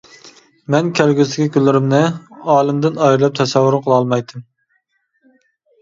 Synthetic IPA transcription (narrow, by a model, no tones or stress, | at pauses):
mɛnkʲʰælɡʲysɪkʲikʲylːɪɾɪmnɪɑːlˠɪmd̪ɪnɑjɾɨlˠɛp̚t̪ʰɛsɛwːʊɾqʰəlˠɑlˠmɑjt̪ɨm